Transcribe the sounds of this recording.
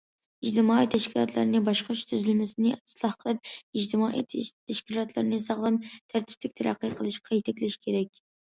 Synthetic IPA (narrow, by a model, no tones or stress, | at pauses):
id͡ʒt̪ɪmɑːijt̪ʰɛʃkʲilˠɑ̰t̪ʰlˠɨ̰ɾnɪbɑʃqʃt̪ʰyzylmɪsɪnɪɪslˠɑhqʰəlˠɨp̚id͡ʒt̪ʰɪmɑːʔḭt̪ʰt̪ʰːɛʃkʲilˠɑt̪lˠɨ̰ɾnɪsɑʁlˠɨmt̪ʰæɾt̪ʰɪ̥plɪk̚ʲt̪ʰæɾæ̰qːɨqʰəlˠɨʃqʰɑjet̪ʰɛkʲlɪʃkʲʰeɾɛkʲ